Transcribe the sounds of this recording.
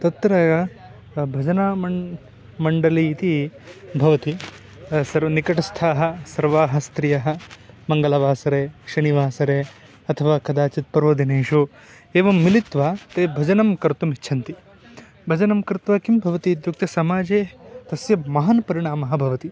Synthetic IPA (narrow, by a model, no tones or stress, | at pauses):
t̪ɐt̪ɾɐ | bʱɐd͡ʒɐnaːɐ | mɐɳɖɐliːt̪ibʱɐʋɐt̪i | sɐɾnikɐʈɐst̪ʰaːɦɐ̆sɐɾʋaːɦɐ̆st̪ɾijɐɦɐ̆mɐŋɡɐlɐʋaːsɐɾeːʃɐniʋaːsɐɾeː | ɐt̪ʰɐʋaːkɐd̪aːt͡ʃit̪̚pɐɾoːd̪ʱineːʂoː | eːʋɐmːilit̪ʋaːt̪eːbʱɐd͡ʒɐnɐmkɐɾt̪umiːt͡ʃʰɐnt̪i | bʱɐd͡ʒɐnɐmkɾt̪ʋaːkimbʱɐʋɐt̪id̪juk̚t̪ɐsɐmaːd͡ʒeːt̪ɐsjɐmɐɦɐnɐpɐɾiɳaːmɐɦɐbʱɐʋɐt̪i